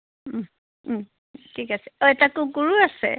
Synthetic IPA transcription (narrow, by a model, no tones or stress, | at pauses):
tʰikasɛ̥ɔɛtakukuɹuasɛ̰